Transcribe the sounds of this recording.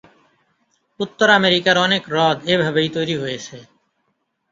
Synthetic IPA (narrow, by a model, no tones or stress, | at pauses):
ʊt̪ːəɾaːmeːɾiːkaːɾoːneːkɾɔːd̪eːbʱɦəbəiːt̪oːɾiːɦoːeːseː